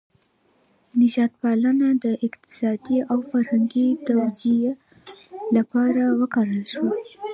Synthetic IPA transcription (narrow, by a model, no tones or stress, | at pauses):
nɪʒɑt̪̚pɑlənad̪əʔɪqt̪ɪ̥sɑd̪iawfaɾhaŋɡit̪awd͡ʒia | lapɑɾawəkɑɾəlʃwa